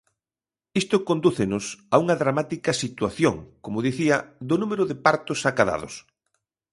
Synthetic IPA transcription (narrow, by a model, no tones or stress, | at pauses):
ist̪ʊkond̪uθɪnʊsauŋɐðɾamat̪ikɐsit̪waθjoŋkomʊðiθiɐd̪ʊnumeɾʊðɪpaɾt̪ʊsakaða̰ðʊ̰s